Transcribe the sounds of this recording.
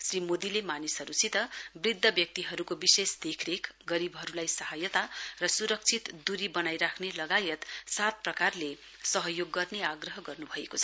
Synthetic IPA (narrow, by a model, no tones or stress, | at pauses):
srimod̪ilemanisɦʌɾusit̪ʌbrid̪ʱːʌbjʌk̚t̪iɦʌɾukobisesd̪ekʰɾekɡʌɾibɦʌɾulajsʌɦajʌt̪arʌsuɾʌk̚t͡sʰit̪d̪uɾibʌnajɾakʰnelʌɡajʌt̪sat̪̚prʌkarle | sʌɦʌjoɡːʌrneaɡrʌɦʌɡʌrnubʱʌekot͡sʰʌ